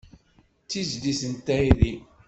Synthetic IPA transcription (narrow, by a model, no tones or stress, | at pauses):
t͡sːizlisənt̪ːæiði